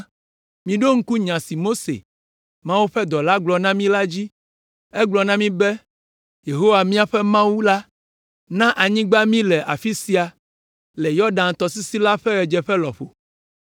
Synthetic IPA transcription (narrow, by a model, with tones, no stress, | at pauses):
mĩ˨ɖo˦ŋ̩˦ku˦ɲã˨si˨mo˦sḛ˨ | mã˦wu˦ɸɛ˦d̪ɔ˨la˦ɡ͡blɔ˨nã˦mĩ˦la˦d͡ʑi˦ | ɛ˦ɡ͡blɔ˨nã˦mĩ˦bɛ˦ | je˨ɦo˦wa˨mĩ˦a˨ɸɛ˦mã˦wu˦la˦ | nã˦ʔa˨ɲĩ˦ɡ͡ba˦mĩ˦lɛ˨ʔa˨fi˦si˦a˨ | lɛ˨jɔ˦ɖã˨n˨t̪ɔ˨si˦si˦la˦ɸɛ˦ɣɛ˨d͡ʒɛ˨ɸɛ˦lɔ̰˨ɸo̰˨